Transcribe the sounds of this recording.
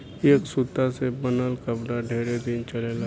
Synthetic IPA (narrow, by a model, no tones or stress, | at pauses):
eːksut̪asebənəlkəbɽaɖʱeːɾed̪ɪnt͡ʃɐlela